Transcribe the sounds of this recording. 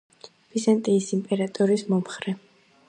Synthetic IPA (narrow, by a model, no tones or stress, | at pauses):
v̥izant̪ʼiːsimpʼɛɾat̪ʼɔɾismɔmχɾɛ